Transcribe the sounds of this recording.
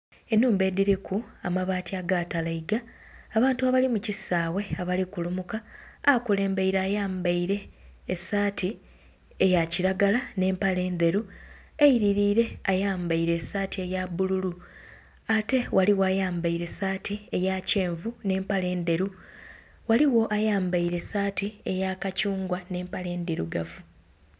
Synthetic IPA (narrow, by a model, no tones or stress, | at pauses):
enːuːmbe̞ːdiɾekuamaβaːtiaɡatalaiɡaːβaːntuaβalimucisaːwe̞aβalikulumukaːkule̞ːmbeiɾaːjaːmbaiɾe̞ːsaːtʰi | ejaciɾaɡalane̞ːmpale̞ːnd̪e̞ɾu | eiɾiɾiːɾe̞ajaːmbaiɾe̞saːtie̞jabululu | ate̞wʔaliwoaːjaːmbaiɾe̞saːtʰiejace̞ːɱvune̞ːmpale̞ːnd̪e̞ɾu | waliwo̞ʔajaːmbaiɾe̞saːtie̞jakacuːŋɡwane̞ːmpale̞ːnd̪iɾṵɡavu